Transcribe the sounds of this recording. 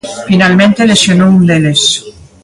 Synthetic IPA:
finalmẽnt̪elesjonound̪eles

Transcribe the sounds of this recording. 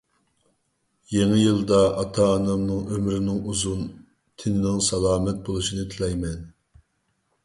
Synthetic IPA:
jeŋɪjɨlˠd̪ɑɑt̪ʰɑːnɑmnɨŋømɾɪnɪŋuzun | t̪ʰɪnɪnɪŋsɑlˠɑːmɛt̪̚bolˠuʃinɨt̪ʰɪlɛjmɛn

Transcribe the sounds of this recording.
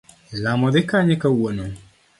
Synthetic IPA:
lamɔd̪ɪkaɲɛkawono

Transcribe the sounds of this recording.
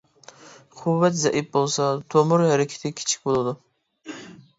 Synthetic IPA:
qʰʊvːɛt̪zæʔɪp̚bolˠsɑt̪ʰomʊɾhæɾɪkʲʰḁt̪ʰɪkʲʰt͡ʃʰɪ̥k̚ʲbolˠad̪ʊ

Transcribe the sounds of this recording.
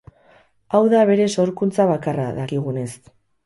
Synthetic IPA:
awðaβ̞e̞ɾe̞so̞ɾkunt͡saβakara̰ðakiɣ̞une̞s

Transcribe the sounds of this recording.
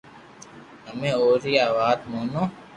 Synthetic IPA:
ɦəmẽːoːɾiːaːʋaːd̪moːnõː

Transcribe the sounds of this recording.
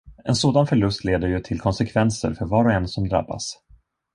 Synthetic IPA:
ɛnsoːd̪anfœɭɵst̪leːd̪əɾjɵt̪ʰɪlkʰɔnsɛkʰvɛnsə̰ɾfœɾvɑːɾɔɛnsɔmd̪ɾa̰bːa̰s

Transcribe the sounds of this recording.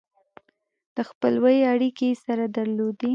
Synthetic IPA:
d̪̥əxpəlwəjaɽikesaɾad̪aɾlod̪i

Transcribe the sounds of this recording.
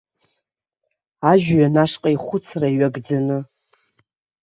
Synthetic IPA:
aʒᶣɥanaʂqʼaiχʷʊt͡sʰraɥaɡd͡zanɨ

